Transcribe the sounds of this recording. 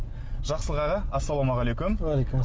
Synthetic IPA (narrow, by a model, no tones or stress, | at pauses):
ʒ̥ɑqsəlʁɑʁɑɑsːɑlˠomɑʁɑlejkʲʊm